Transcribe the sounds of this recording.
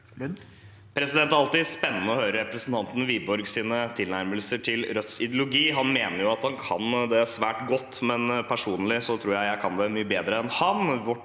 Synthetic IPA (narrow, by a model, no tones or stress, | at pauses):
pʰɾɛsɪd̪ɛnt̪ɑlt̪ɪspɛnːənəɔhøːɾəɾɛpɾəsn̩t̪ʰɑnt̪n̩ʋiːbɔɾɡsiːnət̪ʰɪlnæɾməlsəʈʰɪlɾœt̪sɪd̪jʊlʊɡiːɦɑnmeːnəɾjʊɑt̪hɑnkʰɑ̰nd̪ɛæsʋæːʈɡɔt̪ːmɛnpʰæʂuːnlɪsɔt̪ʰɾuːɾjæɪjæɪkʰɑnd̪ɛmyːəbeːd̪ɾəɛnhɑnʋʊ